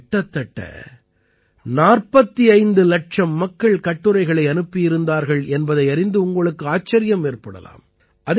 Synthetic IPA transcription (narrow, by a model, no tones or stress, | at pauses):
ʈːɐt̪ːɐʈːɐ̰ | naːrpɐt̪ːiɐɪnd̪ɯlɐʈ̚ʂɐmːɐkːɐɭkɐʈːɯɾɐɪɣɐɭɐɪɐnɯpːɪjɪɾɯnd̪aːɾɣɐɭɛnbɐðɐɪɐɾɪnd̪ɯʊŋɡɐɭɯkːɯaːt͡ʃːɐɾɪjɐmeːrpɐɽɐ̰la̰ːm | ʔɐð